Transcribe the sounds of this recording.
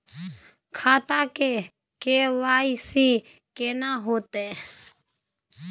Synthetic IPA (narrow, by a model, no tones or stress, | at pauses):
kʰaːt̪aːkeː | keːʋaːiːsiː | keːnãːɦoːt̪eː